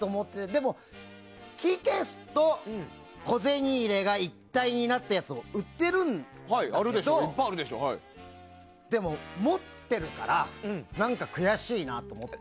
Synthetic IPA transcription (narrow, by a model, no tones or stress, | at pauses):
t̪omo̞t̪ːet̪ed̪e̞mo̞ | kʲiːkesɨ̥t̪õ̞ | ko̞ze̞ɲ̟iːɾe̞ɡait̪ːaiɲ̟inat̪ːajat͡sɨoɯ̟t̪ːe̞ɾɯ̟̃nhaiaaɾɯdd̪ed̪opaaɾɯd̪eɕo̰i | d̪e̞mo̞mo̞t̪ːe̞ɾɯ̟ka̰ɾãnãŋkakɯ̟jaɕiinat̪o̞mo̞t̪ː